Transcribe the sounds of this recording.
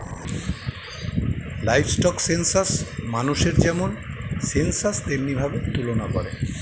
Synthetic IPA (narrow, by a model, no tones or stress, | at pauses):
lajbsʈɔksensasmanuʃeɾd͡ʑɛmonsensast̪emnibʱabet̪ulonakɔɾḛ